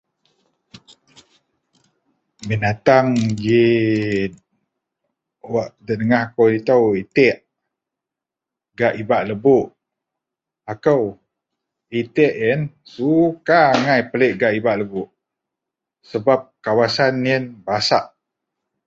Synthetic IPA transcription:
binat̪aŋɡi | waʔdənəŋahakəwdit̪awit̪ɛʔ | ɡaʔibaʔləbuʔ | akəw | it̪ɛʔənsukaŋajpəleʔɡaʔibaʔləbuʔ | səbap̚kawasanːiənbasaʔ

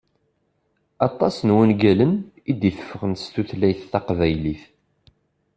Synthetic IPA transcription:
ɑt̪ˤːɑsnwənɡælən | id̪iθə̥fːəʁənst̪uθlæjθːɑqvæjliθ

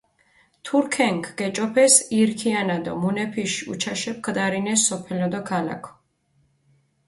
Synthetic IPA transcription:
t̪ʰuɾkʰɛŋkʰɡ̥ɛt͡ʃʼɔpʰɛsiɾkʰianad̪ɔ̰munɛpʰiʃṵt͡ʃʰaʃɛp̚kʰd̪aɾinɛsːɔpʰɛlɔd̪ɔkʰala̰kʰɔ̥

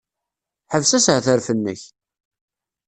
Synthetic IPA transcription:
ħəvsæsʕθəɾfənːə̰ç

